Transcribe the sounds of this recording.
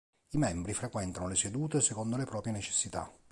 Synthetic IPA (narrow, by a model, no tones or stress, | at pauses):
imɛmbɾifɾekwɛnt̪anolesed̪uːt̪esekond̪olepɾɔːpɾjenet͡ʃe̥sːit̪a̰